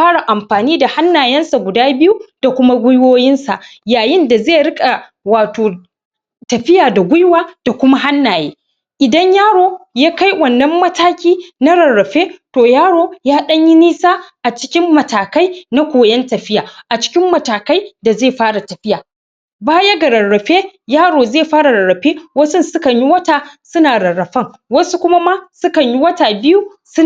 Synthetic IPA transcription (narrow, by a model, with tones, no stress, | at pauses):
ɸaː˦ɽa˨ʔa˨mɸaː˨niː˦da˨ha˦nːaː˨jɛ˦nsa˨ɡʷʊ˨daː˦bɪ˦ju˦d̥a˨kʷʊ˦ma˦ɡʷʊ˦jwoː˦jɪ˦nsa˨ʔjaː˨jɪ˦nda˨zeː˦˨ɽɪ˦kʼa˨ | waː˨toː˨ | tɐ˨ɸɪ˦jaː˨da˨ɡʷʊ˦jwaː˦d̥a˨kʷʊ˦ma˦ɦa˦nːaː˨jḛː˦ | ʔɪ˨dɐ˦ɲjaː˦ɽoː˦jaː˦ka˦jwɐ˨nːɐ˦mːɐ˦taː˦kʲiː˦na˦ɽɐ˨rːɐ˨ɸeː˦toː˨jaː˦ɽoː˦jaː˦ɗɐ˦ɲji˦niː˦saː˦ʔa˨t͡ʃɪ̥˦kʲɪ˦mːɐ˨taː˨ka˦jna˦kʷoː˨jɐ˦ntɐ˨ɸɪ˦jaː˨ʔa˨t͡ʃɪ̥˦kʲɪ˦mːɐ˨taː˨ka˦jda˨zeː˦˨ɸaː˦ɽa˨tɐ˨ɸɪ˦jaː˨ | baː˦ja˦ɡɐ˨ɾɐ˨ɽːɐ˨ɸeː˦jaː˦ɽoː˨zeː˦˨ɸaː˦ɽa˨ɾɐ˨ɽːɐ˨ɸeː˦wɐ˦sʊ˦nsʊ˦kɐ˨ɲji˦wɐ˦taː˨sʊ˦naː˨ɽɐ˨rːɐ˨ɸɐ˦ŋwɐ˦su˦kʷʊ˦ma˦ma˦sʊ˦kɐ˨ɲji˦wɐ˦taː˨bɪ˦ju˦ | sʊ˦